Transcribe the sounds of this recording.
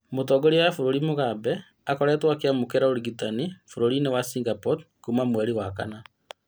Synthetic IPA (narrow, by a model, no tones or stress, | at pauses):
motɔɡoɾijafoɾoɾimoɣabɛ | akɔɾɛtwakeamokeɾaoɾiɣitanifoɾoɾinewasiŋɡapɔdkumamwɛɾiwaka̰na